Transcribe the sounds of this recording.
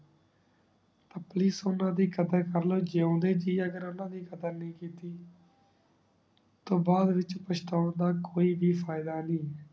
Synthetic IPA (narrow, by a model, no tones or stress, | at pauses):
t̪aːpliːsʊnãːd̪iːkəd̪əɾkəɾloːd͡ʒõːd̪eːd͡ʒiːəɡəɾʊnãːd̪iːkəd̪əɾnĩːkiːt̪iː | t̪õːbaːd̪ʋɪt͡ʃpəʃt̪aːʊnd̪aːkoːiːbiːfʰaːɪd̪aːnĩː